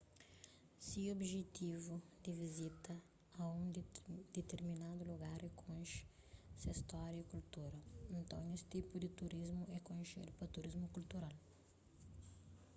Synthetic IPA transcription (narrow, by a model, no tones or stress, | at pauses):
siobʒet̪ivud̪ɪvizit̪ɐ | ɐũd̪̥et̪eɾminad̪uluɡaɾɛkʰõnʃ | sɐist̪ɔɾjɐikult̪uɾɐẽnt̪ɐ̃w̃nest̪ipud̪ɪt̪uɾizmuɛkõnʃḛɾpɐt̪uɾizmukult̪uɾal